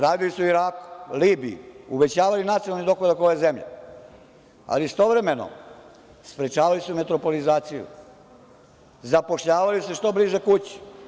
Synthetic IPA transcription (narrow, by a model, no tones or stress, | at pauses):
ɾaːd̪ilisuiɾaːku̥liːbiḭuʋe̞t͡ɕaːʋalinat̪ionalnid̪o̞xlad̪akojezemʎḛ | a̰list̪o̞ʋɾe̞me̞no̰ | spɾet͡ʃaːʋalisume̞t̪ɾo̞po̞lizaːt̪sijṵ | zapo̞ʃʎaːʋaliseʃt̪o̞bliʒekut͡ɕi̥